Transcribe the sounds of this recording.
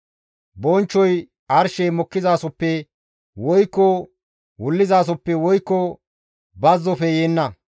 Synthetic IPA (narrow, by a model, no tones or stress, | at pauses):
bɔnt͡ʃːɔj | ʔɐɾʃɛjmɔkːɪzaːsɔpːɛ | wɔjkːɔ | wʊlːɪzaːs̬ɔpːɛwɔjkːɔ | bɐzːɔfɛjeːnːɐ